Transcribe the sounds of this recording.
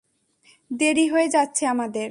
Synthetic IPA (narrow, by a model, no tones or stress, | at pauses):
d̪eɾiɦoed͡ʑatːɕʰeamad̪eɾ